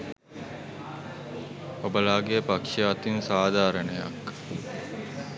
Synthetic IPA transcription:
obəlaːɡejəpakʂaːt̪insaːd̪ʱaːɾənəja̰k

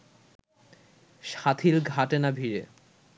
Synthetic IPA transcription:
ʃat̪ʰilɡʱaʈenabʱiɾe

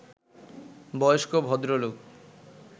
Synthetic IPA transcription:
bɔjoʃkobʱɔd̪ɾoluk

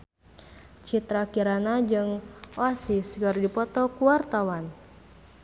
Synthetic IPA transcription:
t͡ʃit̪ɾakiɾanad͡ʒɨŋoasisɡɔrdipɔt̪ɔkuart̪awan

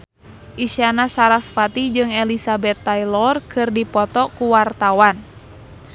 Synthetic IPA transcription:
ʔisanasaɾasfat̪id͡ʒɨŋɛlisabɛt̪ːajlɔrkʰɨrdipɔt̪ɔkuwart̪awan

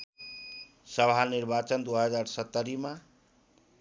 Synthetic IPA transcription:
sʌbʱaniɾbat͡ʃənd̪uɦəd͡ʒaɾsət̪ːəɾima

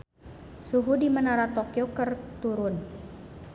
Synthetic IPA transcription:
suɦudimənaɾat̪okijokərt̪uɾʊn

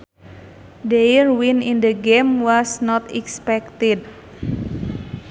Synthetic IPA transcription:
dejrwinind̪əɡemwɔsnɔt̪ɛkspɛk̚t̪id̚

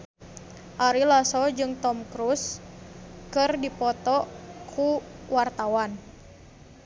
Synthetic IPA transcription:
ʔaɾilasɔd͡ʒɨŋt̪ɔmkɾus | kɨrdipɔt̪ɔkʰuwart̪awan

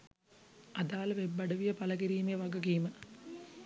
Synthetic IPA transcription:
ad̪aːləʋebːɐɖəʋijəpaləɡiɾiːmejəʋaɡəɡiːmə

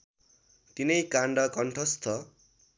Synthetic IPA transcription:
t̪inʌjkaɳɖʌkʌɳʈʰʌst̪ʰʌ

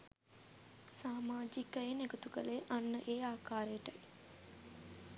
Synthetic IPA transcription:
saːmaːd͡ʒikəeneɡət̪uɡəleʔanːəʔeːaːkaːɾəjəʈə

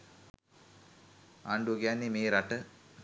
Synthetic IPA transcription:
a̰ɳɖuɡjanːimeːɾaʈːɨ

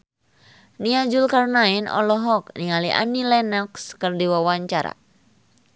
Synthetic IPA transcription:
niad͡ʒulkarnainʔɔ̰lɔɦɔk̚niŋaliʔa̰nilɛnakskərdiwawaɲt͡ʃaɾa̰

